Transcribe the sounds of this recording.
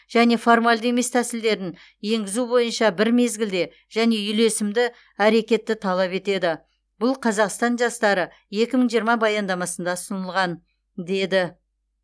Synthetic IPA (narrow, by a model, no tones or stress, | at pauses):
ʒ̥æne̞fo̞rmalʲd̪əe̞me̞st̪ʰæsɪld̪e̞ɾɪn | je̞ŋɡʲɪzubo̞jənʃɑbɪɾme̞zɡʲɪld̪e̞ | ʒ̥æne̞ʏle̞sɪmd̪ɪ | æɾe̞kʲe̞t̪ːɪt̪ʰɑlˠɑpe̞t̪e̞d̪ɪ | b̥ʊlˠqʰɑzɑqst̪ɑnʒɑst̪ɑɾə | je̞kʲɪməɴʒijəɾmɑbɑjɑnd̪ɑmɑsənd̪ɑsənəlˠʁɑn | d̪e̞d̪ɪ